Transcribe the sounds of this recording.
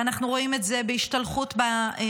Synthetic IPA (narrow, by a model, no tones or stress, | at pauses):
anaχnuʁo̞ime̞tze̞beiʃtalχutba